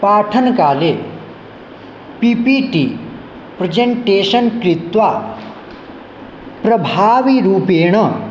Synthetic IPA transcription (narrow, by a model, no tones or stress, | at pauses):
paːʈʰənkaːle | pipiʈiː | pɾɐd͡ʑeɳʈeːɕənkɾit̪ʋa | pɾɐbʱaːʋiɾuːpeːɽ̃ə